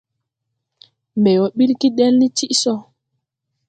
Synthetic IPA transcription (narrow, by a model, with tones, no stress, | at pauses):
mbɛ˨jɔ˨ɓi˦lki˦dɛ˦lni˦t͡ʃi˦ʔsɔ˦